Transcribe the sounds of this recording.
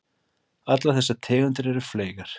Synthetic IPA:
at̪laθɛsːat̪ʰɛːɣʏnt̪ɪɾɛɾʏfleːjɣaɾ̥

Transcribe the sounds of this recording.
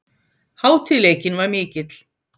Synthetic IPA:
haːwt̪ʰɪlejcɪnvaɾmɪːcɪt̪l̥

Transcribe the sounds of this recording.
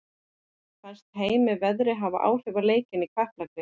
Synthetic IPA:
kfɛ̥st̪hɦeːjmɪvɛðɾɪɦava̰ʔa̰ːwr̥ʏvaleːjcɪnikʰvahplakɾɪ

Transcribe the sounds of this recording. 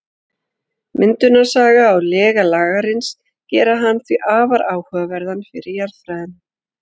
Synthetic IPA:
mʔɪnt̪ʏnḁsaːɣaːwlɛːɣalaːɣaɾɪns | cɛːɾaɦanːθviʔaːvaɾʔaːwhœːɣavɛɾðanfɪɾɪɾjaɾðfɾaðɪn

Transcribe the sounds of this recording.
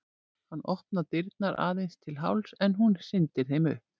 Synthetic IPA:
hanːʔɔhpnat̪ɪɾt̪̚naɾʔa̰ːðejnst̪ʰɪlɦa̰wlsɛnɦunsɪnt̪ɪɾ̥θejmʏ̰hp̚

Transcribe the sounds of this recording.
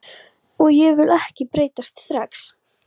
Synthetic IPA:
ɔɣjɛvɪlɛhcɪpɾeːjt̪ast̪st̪ɾaks

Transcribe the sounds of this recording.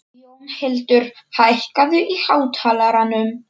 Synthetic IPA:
ɔnhɪlt̪ʏɾ̥haðehkaðʏʔihaːwt̪ʰaːlaɾanʏm

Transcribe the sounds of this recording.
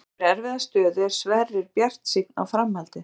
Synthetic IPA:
ɾɛɾvɪðast̪œːðʏɛɾ̥svɛrːɪɾpjar̥t̪sikna̰wfɾamhalt̪ɪ

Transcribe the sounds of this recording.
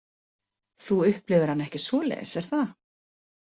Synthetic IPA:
θuʏhplɪɣʏɾhanɛhcɪsvɔːlɛ̰ðɪ̰sɛɾ̥θa

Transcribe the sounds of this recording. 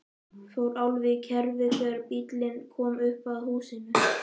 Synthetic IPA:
θowɾawlvɪcʰɛɾvɪkʰvɛːðaɾpit̪lɪnkʰɔːmʏhpaðhuːsɪnʏ

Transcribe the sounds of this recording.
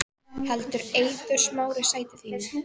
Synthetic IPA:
hɛlt̪ʏɾeːjt̪ʏɾ̥smaːwɾɪsaːjt̪ɪθiːnɪ

